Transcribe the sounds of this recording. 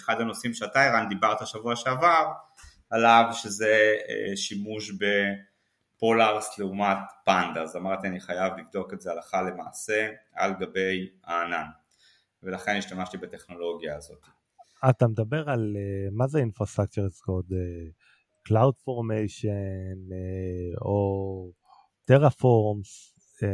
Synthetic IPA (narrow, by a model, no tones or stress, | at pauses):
eχad̪hano̞simʃeat̪aiʁand̪ibaʁt̪alʃavuaʃeavav | alavʃezeḛʃimuʃbe̞ | po̞laʁsleumat̪pand̪azamaʁt̪ianiχajavlivd̪o̞kezealaχale̞ma̰ːse̞a̰lɡabe̞jaːnan | velaχe̞niʃt̪amaʃtibat̪e̞χno̞lo̞ɡjaːzo̞t̪i | at̪amed̪abe̞ʁalemazeinfʁost̪ʁak̚t͡ʃeʁeskod̪e | klawdfo̞ʁmejʃen | o | t̪eʁafoʁms